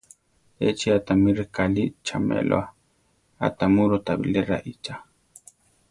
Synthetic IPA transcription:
et͡ʃiat̪amiɾekalit͡ʃʰamḛlʔo̰a | a̰t̪amuɾot̪abḭleɾa̰ʔit͡ʃa

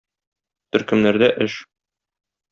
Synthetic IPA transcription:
t̪ɵ̆ɾkɵ̆mnæɾd̪æʔɘʃ

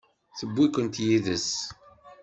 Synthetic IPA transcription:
θəbːikʷənt̪jiðəs

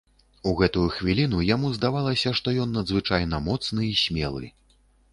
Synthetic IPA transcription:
uɣɛt̪ujuxvʲilʲin̪ujamuzd̪avalˠɐsʲɐʂt̪ɔjɔnːɐd̪zvɨt͡ʂajnɐmɔt̪snɨisʲmʲɛ̰lˠɨ̰

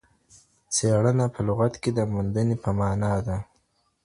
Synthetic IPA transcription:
seɽənapʰəlʊɣat̪ked̪əmund̪ənepəmɑːnɑd̪a

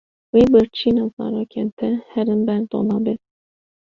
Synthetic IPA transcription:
wiːbɨɾt͡ʃʰiːnɑzɑ̰ːɾoːkʲʰent̪ʰɛhɛɾɨnbɛɾd̪o̰lɑːbet̪

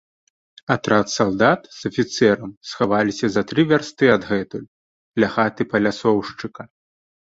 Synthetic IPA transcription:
at̪ɾat̪salˠd̪at̪z̥ɐfʲit̪sɛɾɐmsxavalʲisʲɐzɐt̪ɾɨvʲarst̪ɨɐd̪ɣɛt̪ulʲ | lʲaɣat̪ɨpɐlʲasɔwʂt͡ʂɨkɐ

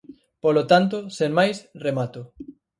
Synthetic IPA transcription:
polot̪ant̪ʊsenmajsremat̪o

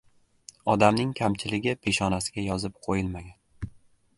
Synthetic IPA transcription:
ɒd̪amnɪŋkʲʰamt͡ʃʰɪlɪɡʲɪpʰe̞ʃɒnasɪɡʲajɒzɪp̚qʰojɪlmaɡʲan

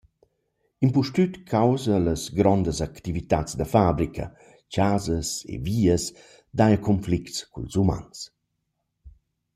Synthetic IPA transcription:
impuʃtyt̪kʰawzələsɡɾɔnd̪əzakt̪ivit̪at͡sd̪əfabɾikɐ̰ | t͡ʃazəsḛviːəs | d̪ajəkʰɔnflikskṵlzuma̰ns

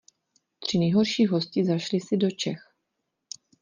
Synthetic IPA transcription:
t̪r̝̥ɪnɛjɦo̞ɾʃiːɦo̞scɪzaʃlɪsɪdo̞t͡ʃɛx

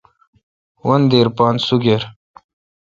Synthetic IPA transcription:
wɐnd̪eɾpɑːnsuɡeɾ

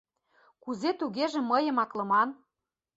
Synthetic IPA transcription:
kuzet̪uɣeʒĕmːəjə̆mɑklɤ̆mɑn

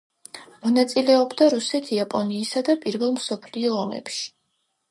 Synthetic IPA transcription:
mɔnat̪sʼilɛɔbd̪aɾusɛt̪ʰiapʼɔniːsad̪apʼiɾvɛlˠmsɔpʰliɔːmɛ̰pʃi̥

